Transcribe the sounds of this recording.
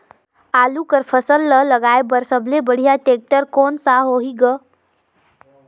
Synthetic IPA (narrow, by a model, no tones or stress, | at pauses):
aːlukəɾpʰəsəlːələɡaebəɾsəblebəɽ̤ijaʈek̚ʈəɾkonsaɦoɦiɡə